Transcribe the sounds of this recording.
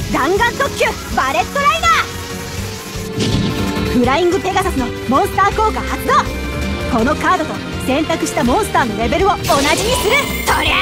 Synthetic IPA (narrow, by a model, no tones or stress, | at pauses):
d̪ãŋɡãnt̪okʲːɨ | baɾe̞t̪ːo̞ɾaid̪a | bɯ̟ɾaĩŋɡɯ̟pe̞ɡasasɨno̞ | mõ̞ɰ̃sɨ̥t̪aːko̞ːɡahat͡sɨd̪oː | ko̞no̞kaːd̪o̞t̪o̞ | sẽ̞nt̪akɯ̟ɕi̥t̪amõ̞ɰ̃sɨ̥t̪aːno̞ɾe̞be̞ɾɯ̟o̞onaʑiɲ̟isɨɾɯ̟ | soɾe